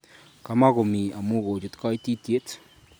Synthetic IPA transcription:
ka˨ma˦ɣo˨mi˨a˨mu˦ɣo˨t͡ʃo˨t̪ka˦i˦ti˦tje˦t͡s

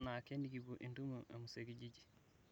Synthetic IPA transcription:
na˨ke˦ni˦ɡi˨bu˨ʔi˨ndu˦muʔa˨mu˨se˨ɡi˦ɟi˦ɟi˨

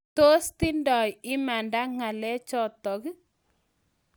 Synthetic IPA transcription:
to˦sti˦ndɔ˨jɪ˦ma˨nda˦ŋa˨lɛ˦t͡ʃɔ˦t̪ɔ˨k

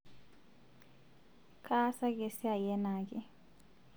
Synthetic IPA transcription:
kʰʼa˦sa˦kʼe˦si˦a˨jɛ˦naː˨kʼɛ˨

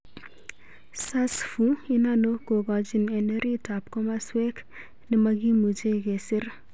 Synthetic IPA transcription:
sa˦sfu˦i˦na˦no˦ko˨ɡɔ˨d͡ʒi˨ne˨ne˦ɾi˦ta˨p̚kɔ˦ma˦swe˦k | nɪ˦ma˦ɡi˦mu˨t͡ʃe˦ke˨sɪ˦ɾ

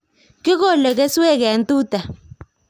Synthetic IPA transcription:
ki˦k̬ɔ˦˨lɛ˨k̬ɛ˦swɛ˦˨k̬ɛ˨a˨ntʼuː˦tʼa˨

